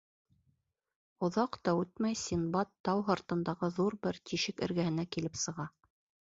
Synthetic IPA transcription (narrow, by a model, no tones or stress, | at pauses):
ŏðɑqt̪ɑʉt̪̚mæjsʲinbɑt̪ːɑwɦɑɾt̪ɤ̆nd̪ɑʁɤðuɾbɘɾt̪iʃɘkɘ̰̆ɾɡæhɘ̆nækilɘpsɤ̆ʁɑ